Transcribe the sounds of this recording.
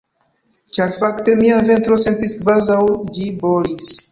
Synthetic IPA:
t͡ʃaɾfakte̞miave̞ntɾo̞se̞ntiskvazawd͡ʒibo̞lis

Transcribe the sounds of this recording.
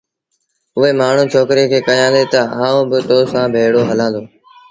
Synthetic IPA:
ʊɦeːmaːɳ̤ũːt͡ʃʰoːkɾekʰeːkɐjãːd̪eːt̪ɐɦãːõːbɪt̪oːsãːbʱeːɽoːɦəlãːnd̪oː

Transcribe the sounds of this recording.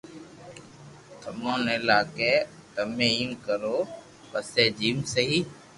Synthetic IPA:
t̪ʰəmõːnɪlaːkeː | t̪əmẽːiːnkəɾoː | pəseːd͡ʒiːmsəɦiː

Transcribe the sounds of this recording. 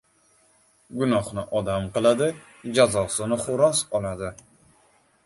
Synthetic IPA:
ɡʊnɒχnɪʔɒd̪amqɨlˠad̪ɪ | d͡ʒazɒsɪnɪχʊɾɒsɒlˠad̪ɪ

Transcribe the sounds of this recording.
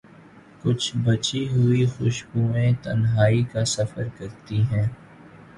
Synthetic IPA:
kʊt͡ʃʰbɐt͡ʃiɦʊixʊʃbuːẽt̪ɐnɦaːikasɐfəɾkɐɾt̪iɦɛ̃ː

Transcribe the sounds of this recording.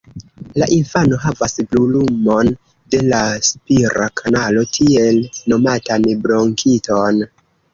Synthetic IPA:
laʔinfano̞ɦavasblulumo̞n | de̞laspiɾʔakʰanalo̞tʰie̞lno̞matanbɾo̞ŋkʰito̞n

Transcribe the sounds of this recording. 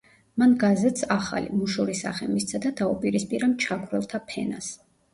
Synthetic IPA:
manɡazɛt̪saχa̰lḭmuʃuɾisa̰χɛ̰mist̪sʰad̪ad̪aupʼiɾispʼiɾamt͡ʃʰaɡʰvɾɛlˠt̪ʰapʰɛ̰nas

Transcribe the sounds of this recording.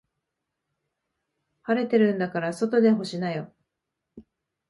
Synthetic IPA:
haɾe̞t̪e̞ɾɯ̟̃nd̪akaɾaso̞t̪o̞d̪e̞ɦo̞ɕinajo̞

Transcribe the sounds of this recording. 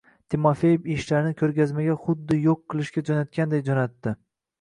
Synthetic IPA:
t̪ʰimofe̞jɪbiʃlaɾɪnɪkʲʰɵɾɡʲazmaɡʲaχʊd̪ːɪjoqʰːɨlˠɪʃkʲad͡ʒɒnat̪̚kʲand̪ejd͡ʒɒnat̪ːɪ

